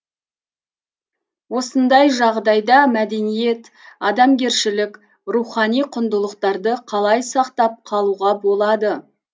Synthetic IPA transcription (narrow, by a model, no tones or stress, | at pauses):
wo̞sənd̪ɑjʒɑʁd̪ɑjd̪ɑmæd̪e̞nije̞t̪ | ɑd̪ɑmɡʲe̞ɾʃɪlɪk | ruχɑnijqʰʊnd̪əlˠəqt̪ɑɾd̪əqʰɑlˠɑjsɑqt̪ɑp̚qʰɑlˠuʁɑbo̞lˠɑd̪ə